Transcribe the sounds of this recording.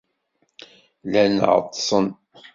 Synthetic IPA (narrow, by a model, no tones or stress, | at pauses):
lænʕə̰t̪ˤːsˤən